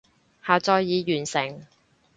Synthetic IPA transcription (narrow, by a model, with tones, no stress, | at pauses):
haː˨t͡sɔː˧jːiː˨˧jyː˨˩nsɪ˨˩ŋ